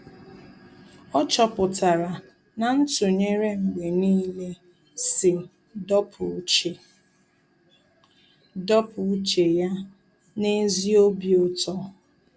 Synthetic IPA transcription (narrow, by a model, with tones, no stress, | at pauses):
ɔ˦t͡ʃɔ˨pʊ˨ta˨ɾa˨ | na˨n̩˦tʊ˨ɲe˦ɾe˦ŋ͡m̩˨ɡ͡be˨niː˦le˦ | sɪ˨ | dɔ˦pʰʊ˨u˦t͡ʃe˨ | dɔ˦pʊ˨u˦t͡ʃe˨ja˦ | ne˦zi˦o˦bi˨o˦tɔ˦